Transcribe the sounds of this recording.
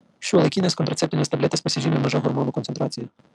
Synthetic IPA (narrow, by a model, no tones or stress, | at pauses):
ʃt͡ʃɔʋelˠekʲinɛskɔnt̪ɾɐt̪sɛpt̪ʊnʲɛst̪ɐblʲɛt̪ɪspɔsʲiʒʲimʲɪmɔʒɐɦɔrmɔnʊkɔnt̪ent̪ɾat͡sʲijʊ